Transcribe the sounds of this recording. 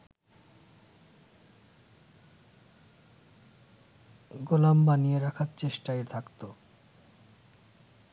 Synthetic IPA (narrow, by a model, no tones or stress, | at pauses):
ɡolambanijeɾakʰaɾt͡ɕeʃʈaet̪ʰakt̪o